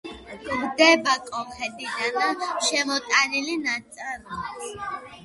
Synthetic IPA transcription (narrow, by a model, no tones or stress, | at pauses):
mɡ̪ɛbakʼɔmhɛd̪ʼid̪anaʃɛmɔt̪ʼanilinat̪sʼɛɾma